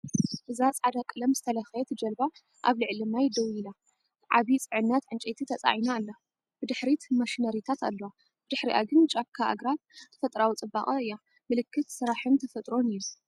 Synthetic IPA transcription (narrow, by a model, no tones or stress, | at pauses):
ʔɨzat͡sʼʕad̪akʼɨlɐmzɨt̪ʰɐlɐxjet̪ʰɨd͡ʒɐlba | ʔaβlɨʕlɨmajd̪ɐwila | ʕa̰βit͡sʼɨʕɨnːɐt̪ʕɨnt͡ʃʼet̪ʰit̪ʰɐt͡sʼa̰ʕinaːlːo | b̥ɨd̪ɨħɾit̪ʰmaʃinɐɾit̪ʰat̪a̰lːowa | b̥ɨd̪ɨħɾiʔa̰ɡɨnt͡ʃʼab̚kʰaʔa̰ɡɾat̪t̪ʰɐ̥fɐt̪ʼɾawut͡sʼɨbaχʼɐɨjːa | mɨlɨkːɨt̪sɨɾaħɨnt̪ʰɐfɐt̪ʼɾo̞nɨjːu